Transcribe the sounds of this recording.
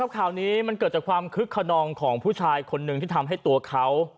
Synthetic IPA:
a˦˥p̚kʰaː˨˩wniː˦˥ma˧nkɤː˨˩t̪̚t͡ɕa˨˩kʰwaː˧mkʰɯ˦˥kʰːa˧nɔː˧ŋkʰɔː˩˦ŋpʰuː˥˩t͡ɕʰaː˧jkʰo˧nːɯ˨˩t̪ʰiː˥˩t̪ʰa˧mɦa˥˩jt̪u˧ɐkʰa˦˥w

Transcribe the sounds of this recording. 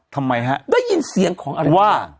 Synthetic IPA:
t̪ʰa˧mːa˧jɦa̰˧˥ʔda˥˩jːi˧nsi˨˩˦əŋkʰɔː˩˦ŋʔa˧˦˧waː˧˥˩

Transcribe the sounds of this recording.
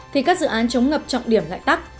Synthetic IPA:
t̪ʰi˨˩kaː˦˥k̚zɨ̰˧˨ʔaː˨˦nt͡ɕə˨˦wŋ͡mŋə˨˩p̚t͡ɕɔ̰˧˨wŋ͡mɗi˧˩əmla̰ː˧˨jt̪a˦˥k̚

